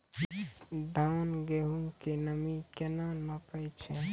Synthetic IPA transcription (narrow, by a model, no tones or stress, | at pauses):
d̪ʱanɡeɦuŋkenəmikenanəpəjt͡ʃʰɛ